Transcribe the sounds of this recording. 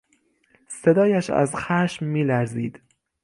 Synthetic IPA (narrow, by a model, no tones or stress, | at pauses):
se̞d̪ɒːjæʃæ̰zxæːʃmːiːlæɾziːd̪̥